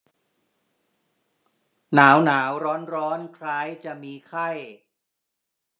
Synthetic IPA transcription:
naː˩˦wnaː˩˦wɾɔː˦˥nɾɔː˦˥nkʰɾaː˦˥jt͡ɕa˨˩miː˧kʰa˥˩j

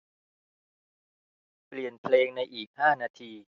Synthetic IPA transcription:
pli˨˩ənpʰleː˧ŋna˧jʔiː˨˩k̚haː˥˩naː˧t̪ʰiː˧

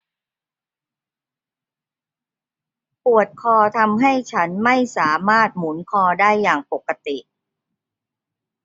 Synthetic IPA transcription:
pu˨˩ət̪̚kʰɔː˧t̪ʰa˧mɦa˥˩jt͡ɕʰa˦˥nma˥˩jsaː˩˦maː˥˩t̪̚mu˩˦nkʰɔː˧daː˥˩jːaː˨˩ŋpo˨˩kːa˧t̪i˨˩ʔ

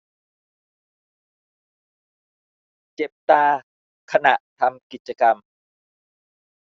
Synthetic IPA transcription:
t͡ɕe˨˩p̚t̪aː˧ | kʰa˧na̰˨˩ʔt̪ʰa˧mki˨˩t̪̚t͡ɕa˧ka˧m

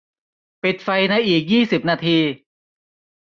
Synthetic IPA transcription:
pi˨˩t̪̚fa˧jna˧jʔiː˨˩k̚jiː˥˩si˨˩p̚naː˧t̪ʰiː˧

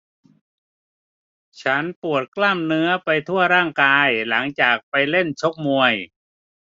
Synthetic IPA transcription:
t͡ɕʰa˦˥npu˨˩ət̪̚klaː˥˩mnɯ˦˥ɐpa˧jt̪ʰu˥˩ɐɾaː˥˩ŋkaː˧jla˩˦ŋt͡ɕaː˨˩k̚pa˧jle˥˩nt͡ɕʰo˦˥k̚mu˧əj

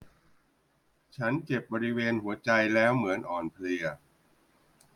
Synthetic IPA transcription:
t͡ɕʰa˦˥nke˨˩p̚bɔː˧ɾi˦˥weː˧nhu˩˦ɐt͡ɕa˧jlɛː˦˥wmɯ˩˦ənʔɔː˨˩npʰli˧ɐ

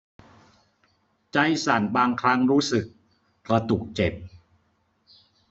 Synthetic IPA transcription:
t͡ɕa˦˥jsa˨˩˦nbaː˧ŋkʰɾa˦˥ŋɾuː˦˥sɯ˨˩k̚ː | ɾa˧t̪u˨˩k̚t͡ɕe˨˩p̚

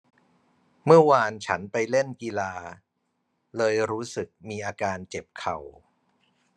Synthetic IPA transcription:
mɯ˥˩ɐwaː˧nt͡ɕʰa̰˦˥npa˧jle˥˩nki˧laː˧ | lɤː˧jɾuː˦˥sɯ˨˩k̚miː˧ʔaː˧kaː˧nt͡ɕe˨˩p̚kʰa˨˩w

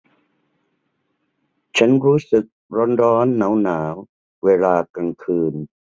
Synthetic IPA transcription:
t͡ɕʰa˦˥nɾuː˦˥sɯ˨˩k̚ɾo˧˥nɾɔː˦˥nːaː˩˦wnaː˩˦w | weː˧laː˧ka˧nkʰɯː˧n

